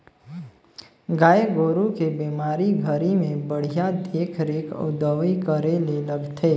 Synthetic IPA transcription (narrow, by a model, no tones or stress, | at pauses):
ɡaːeɡoːɾukebiːmaːɾiɡʱəɾimẽbəɽ̤ijad̪eːkʰɾeːkʊ̰d̪əʋikəɾeleləɡt̪ʰeː